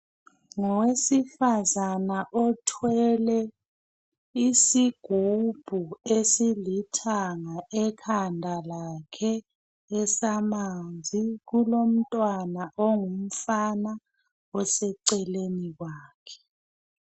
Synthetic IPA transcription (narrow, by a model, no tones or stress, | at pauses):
ŋɔwesifazanaʔɔtʰwɛlɛ | isiɡ̥ʱub̥ʱuesilitʰaŋaʔɛkʰandʱalakʰɛː | samand͡zʱikulom̩tʼwanaʔoŋum̩fana | ɔsɛǀɛlenik̬waːkʰɛ̥